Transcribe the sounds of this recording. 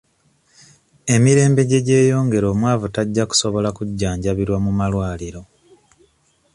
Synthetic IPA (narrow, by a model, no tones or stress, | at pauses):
e̞miɾe̞ːmbe̞ɟe̞ɟe̞ːjo̞ːŋɡe̞ɾo̞ːmwaːvutaɟːaku̥so̞βo̞lakuɟːaːɲɟaβiɾwamumalwaːliɾo̞